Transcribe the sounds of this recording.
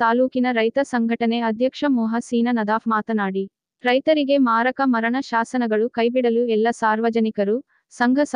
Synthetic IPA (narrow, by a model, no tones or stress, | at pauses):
t̪aːluːkinɐɾɐjt̪ɐsɐŋɡʱɐʈɐne̞ɐd̪ʱjɐkʂɐmɔːɦɐsiːnɐnɐd̪aːfmaːt̪ɐnaːɽi | ɾɐjt̪ɐɾiɡe̞maːɾɐkɐmɐɾɐɳɐʃaːsɐnɐɡɐɭukɐjbiɽɐluɛlːɐsaːɾʋɐd͡ʒɐnikɐɾu | sɐŋɡʱɐs